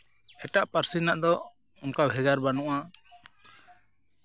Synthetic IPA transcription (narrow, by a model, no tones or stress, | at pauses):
ɛʈaʔpaɾsinaʔd̪ɔ | unkabʱɛɡaɾbanuʔa